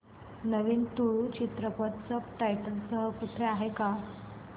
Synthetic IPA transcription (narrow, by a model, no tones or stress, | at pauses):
nəʋiːnt̪uɭt͡ɕit̪ɾəpət̪səpʈajʈəlsəɦəkuʈʰeaɦeka